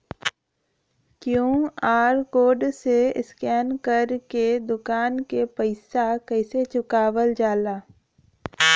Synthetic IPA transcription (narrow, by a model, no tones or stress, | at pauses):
kjõːaːɾkoːɖseɪ̰skɛːnkəɾked̪ʊkaːnkepəɪsakəɪset͡ʃʊkaːʋəld͡ʒaːlaː